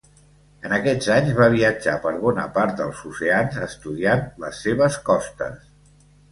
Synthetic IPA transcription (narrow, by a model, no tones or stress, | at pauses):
ənəkɛd͡zaɲzβaβ̞iəd͡ʒapəɾβɔnəpaɾt̪̚d̪əlˠzuseanzəst̪uðianləsːeβ̞əskɔst̪ə̰s